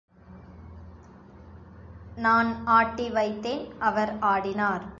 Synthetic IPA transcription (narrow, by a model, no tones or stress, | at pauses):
naːnaːʈːiʋɐɪt̪ːeːnʔɐʋɐɾaːɽɪnaːɾ